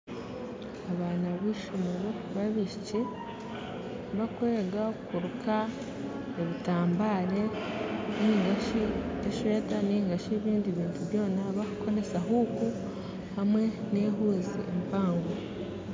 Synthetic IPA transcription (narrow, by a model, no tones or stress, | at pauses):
aβaːnaβiːʃomeɾo | βaβiʃici | βakwe̞ːɡakuɾukʰa | eβitaːmbaːɾe̞niːŋɡaʃieʃe̞ːtaniːŋɡaʃieβiːndiβiːntʰuβjo̞ːnaβakuko̞ɾe̞saɦuːku | hamwe̞ | ne̞ːɦuːzḭempaːŋɡo